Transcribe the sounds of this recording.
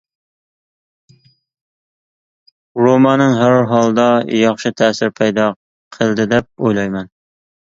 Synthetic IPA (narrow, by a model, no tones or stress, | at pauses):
ɾomɑnɨŋɦæɾɦɑlˠd̪ɑjɑχʃɨt̪ʰɛsɪɾpʰɛjd̪ɑ | qʰəlˠd̪ɪd̪ɛp̚ojlˠɑjmɛn